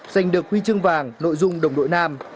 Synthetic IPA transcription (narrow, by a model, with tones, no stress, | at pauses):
za˨˩jŋ̟ɗɨ˨˩ək̚hwi˧t͡ɕɨ˧əŋvaː˨˩ŋno̰˧˨jzʊ˧ŋ͡mɗə˨˩wŋ͡mɗo̰˧˨jnaː˧m